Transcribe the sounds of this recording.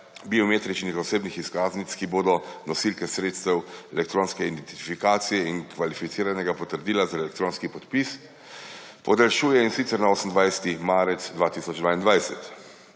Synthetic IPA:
biɔmeːt̪ɾit͡ʃnixɔseːbnixiskaːznit̪kiboːd̪ɔnɔsilkɛsɾeːt̪st̪ɛwɛlɛk̚t̪ɾoːnskɛid̪ɛnt̪i̥ifikaːt̪sijɛinkʋalifit̪iːɾanɛɡapɔt̪əɾd̪iːlazaɛlɛk̚t̪ɾoːnskipɔt̪pis | pɔd̪alʃuːjɛinsit̪sɛɾnaoːsən̩d̪ʋajsɛ̥t̪imaːɾɛt̪sd̪ʋaːt̪isɔd͡ʒd̪vʋaːind̪ʋajsɛt̪

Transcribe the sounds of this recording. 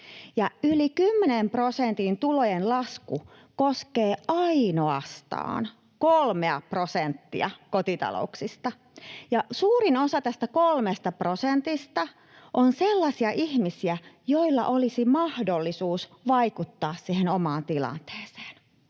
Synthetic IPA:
jɑylikymːenemprosent̪int̪ulojenlɑsku | koskeːʔɑinoɑst̪ɑ̰ːn | kolmeɑprosent̪ːḭɑkot̪it̪ɑ̰lo̰uksist̪ɑ | jɑsuːɾinosɑt̪æst̪ækolmest̪ɑprosent̪ist̪ɑ | ʔonselːɑsiɑʔiçmisiæjoilːɑ̰ʔolisimɑhdolːisuːsʋɑikut̪ːɑːssiːhenomɑːnt̪ilɑ̰nt̪e̥ːse̥ːn

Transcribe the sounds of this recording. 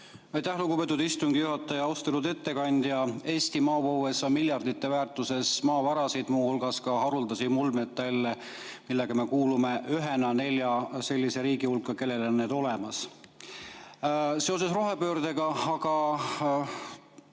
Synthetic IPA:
ɑjt̪æhluɡ̥ube̞t̪ːˑud̪ist̪uŋɡ̥ijuɦɑt̪ːˑɑjɑɑwst̪elud̪̥e̞t̪ːe̞kɑnʲd̪̥jɑe̞ːst̪imɑːpowwe̞sɑmilʲjɑrd̪̥it̪ːe̞væːrt̪ːˑuse̞smɑːvɑɾɑsid̪̥muːhulɡ̥ɑskɑɦɑɾuld̪ɑsimulmet̪ːælːe | milːeɡ̥ɑme̞kuːlume̞yɦe̞nɑne̞lʲjɑse̞lʲːise̞ɾiːɡihulkːˑɑke̞lːe̞lonːeːd̪̥o̞lemɑs | se̞o̞se̞sro̞ɦe̞pøːrd̪̥e̞ɡɑɑɡ̥ɑ

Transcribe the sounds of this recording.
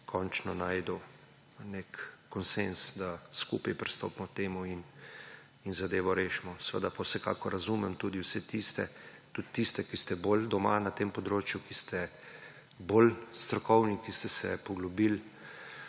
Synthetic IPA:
kʰɔnt͡ʃnɔnaːjd̪ɔ | nekːɔnsensd̪askṵpajpɾist̪o̰ːpmɔt̪eːmuin | inzad̪eːʋɔɾeːʃɛmɔsɛʋə̰d̪apawsɛka̰ːkɔɾːazuːmɛmt̪ud̪iwsɛt̪ist̪ɛ | t̪ut̪ːist̪ɛkist̪ɛbold̪ɔmanat̪eːmpɔd̪ɾoːt͡ʃjukist̪ʰɛ | boːlst̪ɾɔkɔwnikist̪ɛsɛpɔɡlɔbil

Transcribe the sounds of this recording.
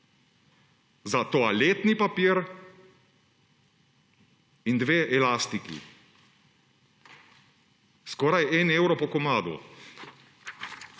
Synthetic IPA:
zat̪oːaleːt̪nipapiːɾ | ind̪ʋeːʔɛlast̪ikḭ | skɔːɾajɛnɛwɾɔpɔkɔmaːd̪ɔ̰

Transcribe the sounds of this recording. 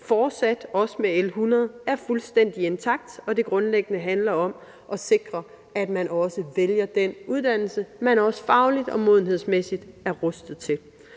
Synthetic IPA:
fɒːd̥sæd̥ɒ̽səmeelɦunɐð̩ˠæɐfulsd̥en̰d̥ie̝nt͡sʰɑ̈ɡ̥̚d̥ɒ̽de̝ɡ̥ʁɔ̽nleɡ̥ənəɦænlɐɒ̽m | ʔɒ̽se̝ɡ̥ʁɐ | æd̥mænʔɒ̽səʋeljɐd̥enuðˠd̥æn̰l̩səmænɒ̽sə̥fɑ̈ʊlid̥ɒ̽mo̝ð̰ˠn̩ɦe̝ð̞̰ˠsmesid̥æɐʁɔ̽sd̥ð̩ˠt͡sʰe̝l

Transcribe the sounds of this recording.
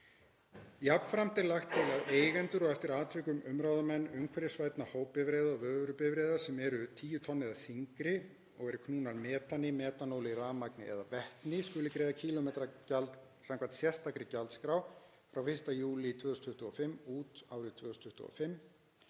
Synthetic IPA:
japn̥fɾamt̪ɪlːaxt̪ʰːɪlaðeːjɣɛnt̪ʏɾɔɣɛft̪ɪɾaːt̪ʰvɪkʏmʏmɾawðamɛnːʏmkʰvɛɾɪsvaːjt̪nahoːwpɪvɾeːjðavœːvɾʏpɪvɾejðasɛmɛɾʏt̪ʰiːjʏt̪ʰɔnːɪðaθiŋkɾɪ | ɔɣɛɾʏkʰnuːnaɾmɛːt̪anːɪmɛːt̪anoːwlɪraːmaknɪ̰ʔɛ̰ðavɛht̪nɪskʏlɪkɾeːðacʰiːlɔmɛːt̪ɾacalt̪ | saŋkʰvant̪sjɛ̥st̪ʰːakɾɪcalt̪skɾaw | fɾawfɪrst̪ajuːlɪt̪ʰvʏːðʏsnt̪ʰʏht̪ʏɣɔfɪmːuːt̪aːwɾɪt̪ʰvʏːðʏsnt̪ʰʏ̥ht̪ṵɣɔ̰fɪmː

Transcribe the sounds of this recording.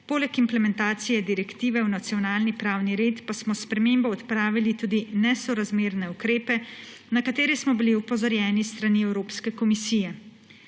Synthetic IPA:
poːlɛkimplɛmɛnt̪aːt̪sijɛd̪iɾɛkt̪iːʋɛwnat̪sijɔnaːlnipɾaːwniɾeːt̪pasmɔspɾɛmeːmbɔɔt̪pɾaːʋilit̪uːd̪inɛsɔɾazmeːɾnɛukɾeːpɛ | nakat̪eːɾismɔbiliupɔzɔɾjɛːnist̪ɾaniɛwɾoːpskɛkɔmisiːjɛ

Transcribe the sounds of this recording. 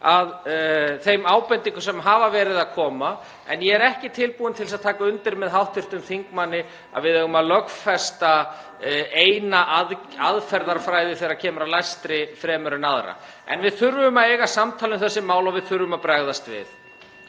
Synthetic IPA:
aðθejmaːwpɛnt̪iŋkʏsɛmɦavavɛːɾɪðaðkʰɔːma | ɛ̰njɛɛɾɛhcɪt̪ʰɪlpuːɪnt̪ʰɪlsaðt̪ʰaːkaʏnt̪ɪɾmɛðɦawht̪ʰɪr̥t̪ʏmθiŋkmanːɪ | a̰ðvɪðɛɣʏmaðlœkfɛst̪a | eːjnaʔað | aðfɛɾðaɾ̥fɾaːjðɪθɛːɾacʰɛːmʏɾalajst̪ɾɪfɾɛːmʏɾʏnaðɾa̰ | ɛ̰nvɪðθʏɾvʏmaeːjɣasamt̪ʰaːlʏmθɛsːɪmaːwlawvɪðθʏɾvʏmapɾaɣðast̪vɪ̰θ

